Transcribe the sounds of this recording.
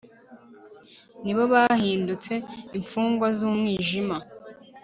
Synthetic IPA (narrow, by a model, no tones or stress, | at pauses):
niβoβaːhiːndut͡se̞iɱfuːŋɡwazuːmŋiːʒima